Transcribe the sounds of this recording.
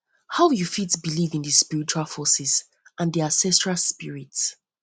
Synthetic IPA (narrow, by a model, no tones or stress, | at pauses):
haʊjufitsbilivĩndispiɹit͡ʃualˠfɔsɛs | ʔãnðiãnsɛstɹalˠspiɹits